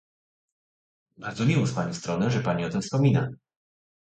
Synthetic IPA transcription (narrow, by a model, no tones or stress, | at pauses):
baɾd̪zɔmʲiwɔspaɲɔ̃st̪ɾɔnɛʐɛpaɲiɔt̪ɘmfspɔmʲina̰